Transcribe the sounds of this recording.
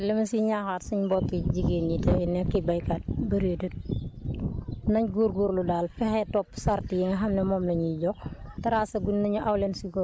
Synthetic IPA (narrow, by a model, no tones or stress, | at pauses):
lɐmɐsiɲaːxaːtsuɲbɔkːiɟiɡeːnɲitɛnɛkːibajkat̚bɐɾotut̚ | nɐɲɡuɾɡuɾludaːlfɛxɛtɔpːsaɾtijɛŋɐɦɐmnɛmɔmnɐɲiɟɔktɐɾaːsɐɡunnɐɲuʔɐwlɛnsiɡɔ